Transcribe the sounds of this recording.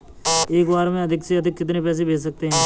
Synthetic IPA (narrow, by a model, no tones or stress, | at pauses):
eːkbaːɾmẽɐd̪ʱɪkseɐd̪ʱɪkːɪt̪̬nepɛːs̬ebʱeːd͡ʒs̬ɐk̚t̪eɦɛ̃ː